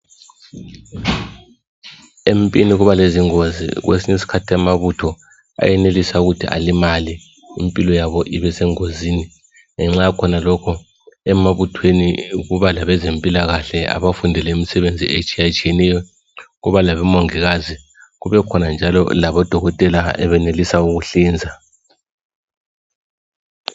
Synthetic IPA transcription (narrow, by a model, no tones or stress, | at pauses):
empʼiniɣuβaleziŋozḭɣwḛsiɲesi̥kʰatʰiamaβutʰɔ | a̰jɛnelisauɣutʰḭʔa̰limali | ḭmpʼilɔjaβɔʔiβɛsɛŋoziːni | ŋɛŋ͡ǁakʰɔnalɔkʰɔ | ɛmaβutʰweniɣuβalaβɛzempʼilaɣaɬɛa̰βafundʱɛlɛimisɛβend͡zʱḭet͡ʃʼijat͡ʃʼijɛnɛjɔ | ɣuβalaβɛmɔŋiɣazi | ɣuβɛkʰɔnand͡ʒʱalɔ̰laβɔd̥ʱɔɣɔtʼɛlaɛ̰βɛnelisauɣuɬiːnd͡zʱa